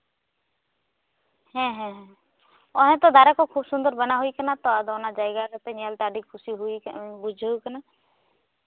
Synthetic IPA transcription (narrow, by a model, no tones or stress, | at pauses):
hɛ̃ɦɛ̃ɦɛ̃ | oɦẽt̪od̪aːɾakokʰuːbsʊnd̪əɾbənaɦuikənat̪oad̪onad͡ʒaːeɡakət̪eɲelt̪aːɖikʰʊsiɦʊibud͡ʒʱoikəna